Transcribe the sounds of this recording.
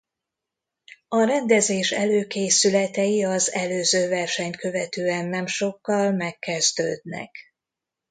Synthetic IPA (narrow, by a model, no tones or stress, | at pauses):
ɒɾɛnd̪ɛzeːʃɛløːkeːsylɛt̪ɛjiɒzɛløːzøːvɛrʃɛɲtkø̞vɛt̪øːɛnːɛmʃo̞kːɒlmɛkːɛzd̪ø̰ːd̪nɛ̰k